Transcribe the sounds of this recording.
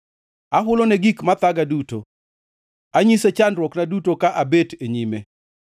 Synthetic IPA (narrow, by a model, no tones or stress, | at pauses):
aɦʊlonɛɡikmat̪aɡaduto | aɲiset͡ʃandɾwɔknadutokaʔabeteɲime